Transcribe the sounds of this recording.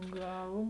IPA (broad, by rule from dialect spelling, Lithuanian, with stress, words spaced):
ˈɡɐlˠ